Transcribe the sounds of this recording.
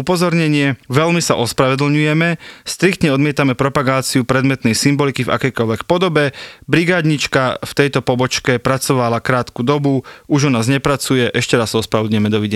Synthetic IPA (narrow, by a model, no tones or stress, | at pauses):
upɔzɔɾɲɛɲɪɛʋɛlmisa̰ʔɔspɾaʋɛd̪l̩ɲujɛmɛst̪ɾikt̪ɲɛɔd̪mɪɛt̪amɛpɾɔpaɡaːt͡siupɾɛd̪mɛt̪nɛjsimbɔlikiva̰kɛjkɔʎʋɛkpɔd̪ɔbɛbɾiɡaːd̪ɲit͡ʃkaft̪ɛjt̪ɔpɔbɔt͡ʃkɛpɾat͡sɔʋalakɾaːt̪kud̪ɔbuuʒɔnaːzɲɛpɾat͡sujɛʔɛʃcɛɾasːaɔspɾaʋɛd̪lɲuʊjɛmɛd̪ɔʋiɟɛ